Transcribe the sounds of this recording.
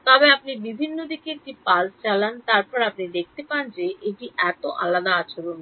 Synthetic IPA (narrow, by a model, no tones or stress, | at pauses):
t̪ɔbeapnibibʱinːod̪ikeek̚ʈipalt͡ɕalant̪aɾpɔɾapnid̪ek̚ʰt̪epand͡ʑeʔeʈiʔɛt̪oʔa̰lad̪aat͡ɕʰoɾon